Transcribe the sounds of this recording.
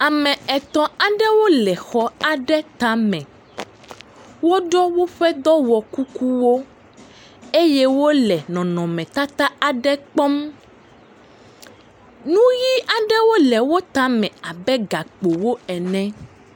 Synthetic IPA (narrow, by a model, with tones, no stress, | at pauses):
a˨mɛ̃˨ɛ˨t̪ɔ̃˨a˨ɖɛ˦wo˦lɛ˨xɔ˦a˨ɖɛ˦t̪a˦mɛ̃˨ | wo˦ɖɔ˦wo˦ɸɛ˦d̪ɔ˦wɔ˨ku˦ku˦wo˦ | e˦jɛ˦wo˦lɛ˨nɔ̃˨nɔ̃˨mɛ̃˨t̪a˦t̪a˦a˨ɖɛ˦k͡pɔ˦m | nũ˦ji˦a˨ɖɛ˦wo˦lɛ˨wo˦t̪a˦mɛ̃˨a˨bɛ˦ɡa˨k͡po˨wo˦ɛ˨nɛ̃˦